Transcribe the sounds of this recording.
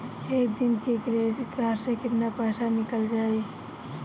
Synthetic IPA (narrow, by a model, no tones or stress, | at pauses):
eːk̚d̪ɪnkekɾeɡʱaɾsẽkɪt̪napɛːsanɪkəld͡ʒaːi